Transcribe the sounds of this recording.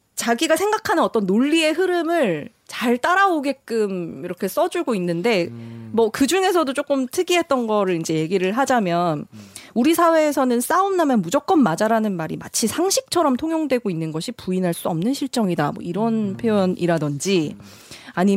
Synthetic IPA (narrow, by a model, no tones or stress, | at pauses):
t͡ɕaɡiɡasʰe̞ŋɡakʰanɯnʌt͈ʌnːoʎːie̞ɦɯɾɯmɯɭ | t͡ɕaɭt͈aɾaoɡe̞k͈ɯmiɾʌkʰe̞s͈ʌd͡ʑuɭɡoinːɯnde̞mʌkɯd͡ʑuŋe̞sʰʌdot͡ɕ͈ok͈ɯmtʰɯɡiɦe̞t̚t͈ʌnɡʌɾɯɾind͡ʑe̞je̞ɡiɾɯɭɦad͡ʑamjʌnuɾisʰawe̞ːsʰʌnɯns͈aumnamjʌnmud͡ʑʌk̚k͈ʌnmad͡ʑaɾanɯnmaɾḭma̰t͡ɕʰisʰaŋɕʰik̚t͡ɕʰʌɾʌmtʰoŋjoŋdwe̞ɡoinːɯnɡʌɕʰipuinɦaɭs͈uʌmnɯnɕʰiɭt͡ɕ͈ʌŋidamwʌ̰iɾʌnpʰjoʌnʔiɾadʌnd͡ʑi | aɲi